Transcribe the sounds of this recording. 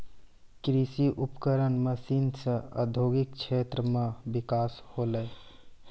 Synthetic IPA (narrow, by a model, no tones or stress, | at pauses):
kɾisiʔupkəɾənməsinsə̃ə̰d̪ʱoɡikt͡ʃʰet̪ɾəmẽbɪkaːsholəj